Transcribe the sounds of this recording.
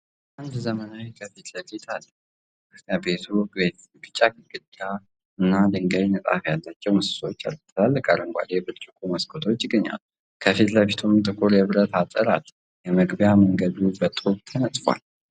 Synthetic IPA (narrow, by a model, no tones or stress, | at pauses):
ʔand̪zəmənawkʰəfit̪ʰləfit̪ʰalː | əabe̞t̪ʰube | ɡɨt͡ʃʼːakɨɡɨd̪a | ɨnːad̪ɨŋɡəjnət̪ʼa̰fjalːat͡ʃːɛwməsɨ̥so̞t͡ʃːa̰lt̪ʰːəlalːəkʼalɨŋɡʷa̰ljɛbɨɾt͡ʃʼɪkʼʰuməskʰot̪ʰo̞t͡ʃːɪɡəɲːa̰l | kʰəfit̪ləfet̪ʰumt̪ʼɨkʼuɾjɛβɨɾət̪at̪ʼəɾa̰l | jɛməɡbjaməŋɡəd̪ubət̪ʼuβt̪ʰənət̪ʼfwa̰l